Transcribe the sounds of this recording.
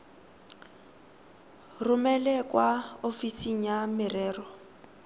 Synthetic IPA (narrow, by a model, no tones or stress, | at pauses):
rʊmɛlɛkʼwaofisiŋ̩jamɪrɛːrɔ